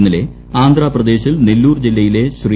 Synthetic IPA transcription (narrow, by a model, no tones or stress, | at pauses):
nːɐle̞ | aːnd̪raːprɐd̪e̞ːɕilnelːuːrd͡ʑilːɐjile̞ɕri